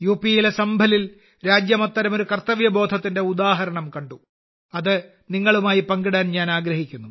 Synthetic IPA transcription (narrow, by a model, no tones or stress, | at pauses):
juːpijilesɐmbʱɐlil | ɾaːd͡ʑjɐmɐt̪ːɐɾɐmo̞ɾukɐrt̪ːɐʋjɐbo̞ːd̪ʱɐt̪ːindeud̪aːɦɐɾɐɳɐmkɐɳɖu | ɐðɨ | niŋːɐɭumaːjipɐŋɡiɽaːnɲaːnaːɡɾɐɦikʲːunːu